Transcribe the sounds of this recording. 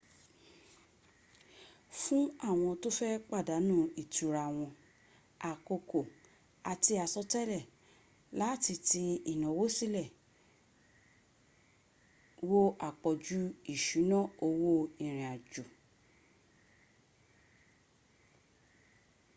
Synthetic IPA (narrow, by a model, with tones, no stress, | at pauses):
fũ˦a˦˨w̃ɔ̃˧to˦fɛ˦k͡pa˦˨da˨˦nũ˦˨i˨tu˨˦ɾa˧w̃ɔ̃˧ | a˨ko˧ko˨ | a˨ti˧a˨sɔ˧tɛ˦lɛ˦˨ | la˨˦˨ti˧ti˧i˨nɔ̃˨wo˦si˦lɛ˦˨ | wo˦a˨k͡pɔ˨d͡ʒu˦i˦˨ʃu˨˦nɔ̃˦˨o˧wo˦ĩ˨ɾ̃ĩ˨a˨d͡ʒu˨